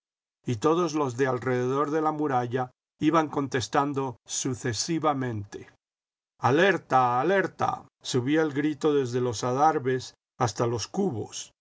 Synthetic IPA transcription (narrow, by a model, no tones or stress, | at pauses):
it̪o̞ðo̞zlo̞zðe̞alre̞ðe̞ðo̞ɾðe̞lamuɾaʝa | iβaŋko̞nt̪e̞st̪and̪o̞suθe̞siβamẽ̞nt̪e | aleɾt̪aːle̞ɾt̪a̰ | suβioelɡɾit̪o̞ðe̞zðe̞lo̞saðaɾβe̞s | ast̪alo̞skuβo̞̰s